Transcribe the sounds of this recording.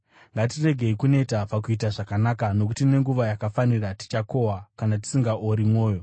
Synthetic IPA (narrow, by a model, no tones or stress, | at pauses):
ŋɡat̬ire̞ɡʱe̞ikune̞tapakuitaʐakanakano̞k̬utine̞ŋɡuʋajakafanirati̥t͡ʃako̞wakanati̥siŋɡaʔoɾimwo̞ːjo̞